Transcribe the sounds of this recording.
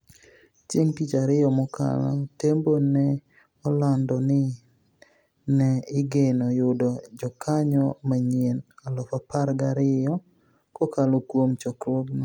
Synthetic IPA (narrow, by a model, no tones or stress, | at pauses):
t͡ʃeŋtit͡ʃaɾɪjɔmɔka̰la̰tembonɛ | ɔlandɔnɪ | nɛɪɡenɔjʊdɔd͡ʒɔkʰaɲɔmaɲenalɔfapaɾɡaɾɪjɔ | kɔkalokwomt͡ʃɔkɾwoɡna